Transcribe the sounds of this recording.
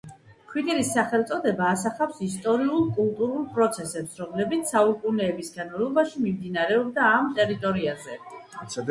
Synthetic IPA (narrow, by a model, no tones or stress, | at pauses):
kʰwit̪ʼɛɾisːaχɛlˠt̪sʼɔd̪ɛbaːsaχawpsist̪ʼɔɾiulˠkʼulˠt̪ʼuɾulˠpʼɾɔt̪sʰɛsɛpsɾɔmlɛbit̪ssaukʼunɛːbisɡanɔlˠɔbaʃimimd̪inaɾɛɔbd̪aːmt̪ʼɛɾit̪ʼɔɾiazɛsɛ